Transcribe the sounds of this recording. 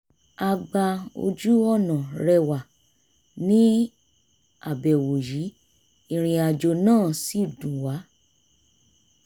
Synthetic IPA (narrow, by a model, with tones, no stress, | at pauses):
a˧ɡ͡ba˧o̰˧d͡ʒu˦ɔ˦˨nã˨ɾɛ˧wa˨ | nĩ˦ | a˨bɛ˨wo˨ji˨˦ | i˧ɾ̃ĩ˧a˧d͡ʒo˧nãː˦˨si˦˨dũ˨wa˨˦